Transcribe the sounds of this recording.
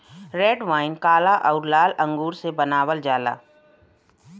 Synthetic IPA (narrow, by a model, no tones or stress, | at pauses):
ɾeːɖʋaːɪnkaːlaʔɔːɾlaːlə̃ŋɡuːɾsebənaːwəld͡ʒaːla̰ː